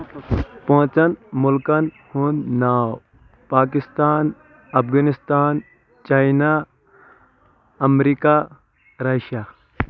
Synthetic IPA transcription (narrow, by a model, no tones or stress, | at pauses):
põɦt͡ʃɐnmʊlkɐn | hunnːaw | paːk̬ɪst̪aːn | ɐpʰɡɐnist̪aːn | t͡ʃaːjna | ɐmɾika | ɾɐʃja